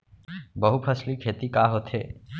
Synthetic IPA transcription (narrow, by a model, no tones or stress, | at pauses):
bəɦupʰəslikʰeːt̪ikaːɦot̪ʰeː